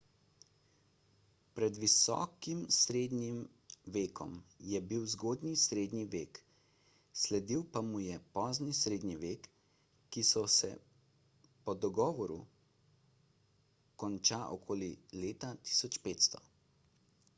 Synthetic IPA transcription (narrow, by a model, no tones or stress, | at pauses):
pɾɛd̪ʋisɔ̰ːkimsɾeːd̪nim | ʋeːkʰɔ̰mjɛbiwzɡoːd̪nisɾeːd̪niʋeːk | slɛd̪iwpamujɛpɔːznisɾeːd̪niʋeːkː | isɔsɛ̰ | pɔd̪ɔɡɔːʋɔɾṵ | kɔnt͡ʃaːʔɔkʰoːlileːt̪at̪i̥sɔt͡ʃpeːt̪st̪ɔ